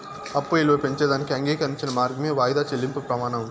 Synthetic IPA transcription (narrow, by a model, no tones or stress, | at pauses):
ɐpːuelʋɐpeɲt͡ʃeːd̪aːnikiɐŋɡeːkɐnit͡ʃːinɐmaːɾɡɐmeːʋaːjd̪aːt͡ʃelːimpupɾɐmaːnɐm